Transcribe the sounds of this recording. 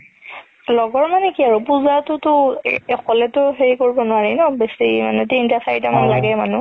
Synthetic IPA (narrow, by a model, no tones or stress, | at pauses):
lɔɡɔɹmanɛkiaɹupuzatʊtʊɛkʰɔlɛtʊɦeɹikoɹibɔnʊaɹinɔbesima̰nɛtiintasajitamanla̰ɡɛmanʊ